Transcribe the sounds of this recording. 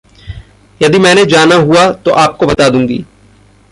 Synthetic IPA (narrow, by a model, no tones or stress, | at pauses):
jɐd̪imɛ̃ːned͡ʒaːnaɦuat̪oʔaːp̚kobɐt̪aːd̪ũːŋɡḭː